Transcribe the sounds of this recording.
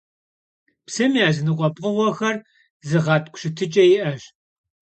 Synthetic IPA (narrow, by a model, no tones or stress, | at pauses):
psɐmiaːzɨnɨqʷʼɔpʼqʼʊʁʷɔxɐr | zɨʁɑːtʼkʷʼɕɪtʰɨt͡ʃʼɐjɪʔɐɕ